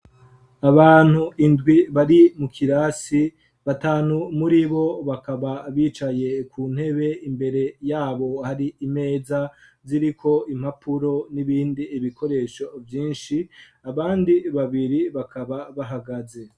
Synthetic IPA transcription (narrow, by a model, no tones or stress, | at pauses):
aβaːn̥huʔindɡwiβaɾimukʰiɾaːsi | βataːnumuɾiβo̞βakaβaβiːt͡ʃaje̞kʰuːn̥he̞βe̞imbe̞ɾe̞jaːβo̞haɾiime̞ːza | ziɾikʰo̞im̥hapʰuɾo̞niβiːndiːβiko̞ɾe̞ʃo̞vjiːnʃi | aβaːndiβaβiɾiβakʰaβaβaɦaɡaze̞